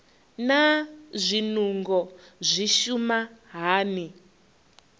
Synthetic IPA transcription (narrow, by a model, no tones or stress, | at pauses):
nazʷinuŋɡɔzʷiʃumaɦaːni